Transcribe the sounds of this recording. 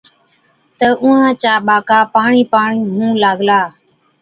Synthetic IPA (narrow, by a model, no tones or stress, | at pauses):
t̪əʔʊ̃ːãːt͡ʃaːɓaːkaːpaːɳiːpaːɳiːɦũːlaːɠlaː